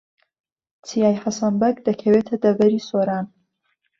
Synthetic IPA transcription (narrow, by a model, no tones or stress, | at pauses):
t͡sʰijaːjhɐsɐmbɐkd̪ɐkʰɐweːt̪ʰɐd̪ɐbɐɾisoːɾaːn